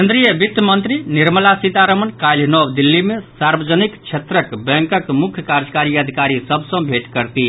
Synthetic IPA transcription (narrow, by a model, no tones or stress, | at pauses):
end̪ɾijəbit̪mənt̪ɾiniɾməlasit̪aɾəmənkajlnɔwd̪ilːimesaɾbəd͡ʒənikt͡ʃʰet̪ɾəkbɛ̃ŋkəkmukʰjəkaɾd͡ʒəkaɾiəd̪ʱikaɾisəbʱsə̃bʱeʈkəɾt̪i